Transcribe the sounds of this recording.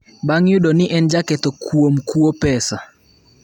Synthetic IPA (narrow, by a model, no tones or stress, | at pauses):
baŋjʊdonɪʔɛnd͡ʒakɛt̪okuomkuopɛsa